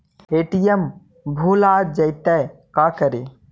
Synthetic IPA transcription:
eːʈijəm | bʱuːlaːd͡ʒɐjt̪ɛjkaːkəɾe

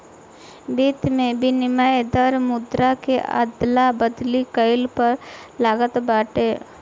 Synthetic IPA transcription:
biːt̪mẽbʱinɪmajd̪əɾmʊd̪ɾakeʔa̰d̪labəd̪likəɪlpɐɾ | laːɡət̪baːʈeː

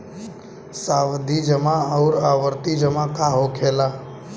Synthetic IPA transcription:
saʋd̪ʱid͡ʒəmãəʊɾaʋəɾt̪id͡ʒəmãkaɦokʰela

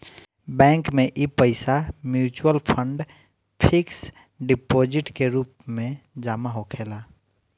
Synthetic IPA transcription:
bɛ̃ːŋkmẽʔipəɪsamjuːt͡ʃuwəlpʰə̃ɳɖ | pʰɪks | ɖɪpoːd͡ʒɪʈkeɾuːpmẽd͡ʒaːmaɦokʰeːlaː

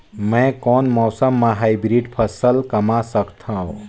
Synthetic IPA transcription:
mɛ̃kɔːnmɔːsəmːãɦaibɾiɖpʰəsəlkəmasəkt̪ʰãõ

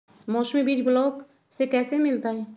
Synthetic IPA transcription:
moːsmibiːt͡ʃbʊloːk | sekɛːsemɪlt̪aɦɛː

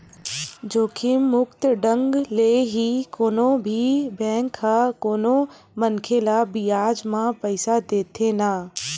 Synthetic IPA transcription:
d͡ʒoːkimʊkt̪ɖə̃ŋɡleːɦikoːnobʱibɛ̃ːŋkʰːãkoːno | mənkʰelabijaːd͡ʒmãpəɪsad̪eːt̪ʰenaː

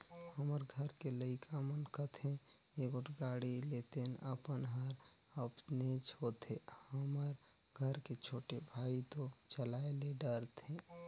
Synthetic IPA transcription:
həməɾɡʱəɾkeləɪkʰamənkət̪ɦɛ̃ | ekʊʈɡaɽilet̪enəpənɦəɾ | əpnet͡ʃɦot̪ehəməɾ | ɡʱəɾket͡ʃʰoːʈebʱait̪ot͡ʃəlaeleɖəɾt̪ɦẽ

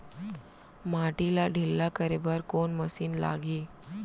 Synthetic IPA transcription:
maʈilaɖʱilːakəɾebəɾkoɳməsiːnla̰ɡiː

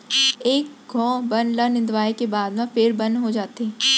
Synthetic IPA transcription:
eːk̚ɡʱɔ̃ːbɐnlanɪ̃nd̪ʋaːekebaːd̪mãfɪɾbɐ̃nd̪ɦod͡ʒaːt̪eɛ̃

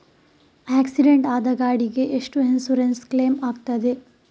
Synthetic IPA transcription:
æːksiɖeɳʈaːd̪ɐɡaːɽiɡe̞ʔeʂʈuɦensuɾenskleːmaːɡt̪ɐd̪e̞

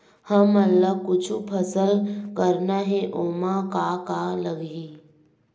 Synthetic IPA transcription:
həməlːəkʊt͡ʃʰupʰəsəlkəɾnaɦɛ̃ʔoːmakakaləɡɦiː

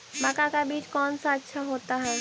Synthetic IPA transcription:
mɐkakabiːt͡ʃkɔːnsaətːʃʰaɦoːt̪aɦɛː

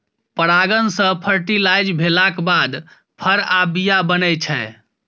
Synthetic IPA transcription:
pəɾaɡənsə̃pʰəɾʈilajd͡ʒbʱelakbad̪ | pʰəɾabijabənɛt͡ʃʰɛ

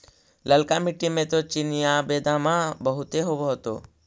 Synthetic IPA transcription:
ləlkamiʈimẽt̪ot͡ʃinijabeːd̪amãbəɦʊt̪eɦoʋoɦət̪o̰

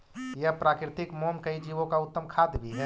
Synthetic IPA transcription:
jəɦpɾaːkɾɪt̪ɪkmoːmkəid͡ʒiːʋõkaʊt̪ːəmkʰaːd̪bʱiɦɛ

